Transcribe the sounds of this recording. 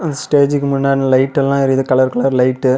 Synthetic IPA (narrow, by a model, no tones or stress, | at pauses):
ɐnd̪ɐsʈeːd͡ʒɪkːɯmʊnːaːɽilɐɪʈːɛlːãːɪɾɯðɯkɐɭɐɾkɐɭɐɾlɐɪʈːɯ